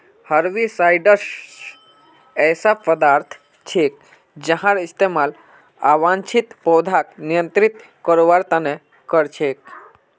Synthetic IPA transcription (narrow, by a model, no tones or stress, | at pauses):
həɾʋisajɖəɾs | ɛːsapəd̪aːɾt̪ʰ | t͡ʃʰek̚ | d͡ʒəɦãɾist̪emal | a̰ʋãnt͡ʃʰit̪pɔːd̪ʱaknijə̃nt̪ɾit̪ | kəɾoʋaɾt̪ane | kəɾt͡ʃʰek̚